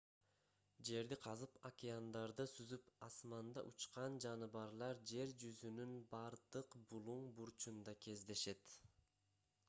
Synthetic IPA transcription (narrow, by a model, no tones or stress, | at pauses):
d͡ʒe̞ɾd̪iqʰɑzɯpakʲɪand̪ɑɾd̪ɯsyzypɑsmɑnd̪ɑ̰ʔut͡ʃqɑnd͡ʒɑnɯβɑɾlˠɑɾd͡ʒe̞ɾd͡ʒyzynynbɑɾd̪ɯqbulˠuɴbuɾt͡ʃund̪ɑkʰe̞zd̪e̞ʃe̞t̪